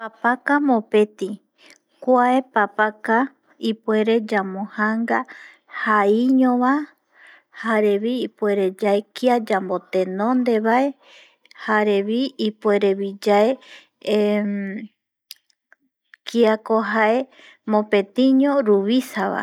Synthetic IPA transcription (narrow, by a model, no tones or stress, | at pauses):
papakamõpe̞t̪i | kʷaepapaka | ipue̞ɾe̞d͡ʒamõhaŋɡa | haiɲõβa | haɾe̞βiːpueɾe̞d͡ʒaekiad͡ʒambo̞t̪e̞nõnd̪e̞βae̞ | haɾeβiipueɾeβid͡ʒae | kʰiakoɦae | mõpe̞t̪ĩɲõɾuβisaβa̰